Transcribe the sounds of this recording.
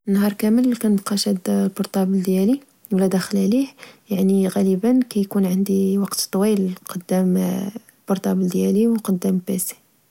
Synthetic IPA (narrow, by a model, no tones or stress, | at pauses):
nːhɑɾˤkæməlkænəbqɑʃæd̪lbʊɾt̪ˤɑbəld̪jæli | wlæd̪æxlæliħjaʕniɣæləbənkæjkunʕənd̪iwɑqt̪t̪ˤːwilqɑd̪ːæm | lbʊɾˤt̪ˤɑbld̪jæliwqɑd̪ːæmbæsi̥